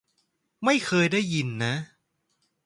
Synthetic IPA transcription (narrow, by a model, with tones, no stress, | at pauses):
ma˥˩jkʰɤː˧jdaː˥˩jːi˧nːa˦˥